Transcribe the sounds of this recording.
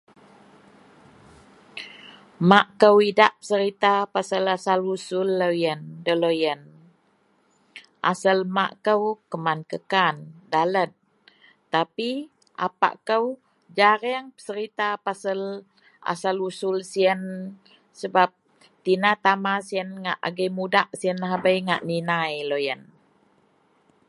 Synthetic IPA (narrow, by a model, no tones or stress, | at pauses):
maʔkəwidaʔpə̥səɾit̪apasəlasalusʊlːəjəndələjən | ʔa̰səlma̰ʔkəwkəmankəkandalət̪̚ | t̪api | ʔa̰pa̰ʔkəw | d͡ʒaɾiaŋpə̥səɾit̪apasəl | a̰salusʊlsiən | səbap̚ | t̪inat̪amasiənŋaʔa̰ɡəjmudaʔsiənɦabəjŋa̰ʔninajlojən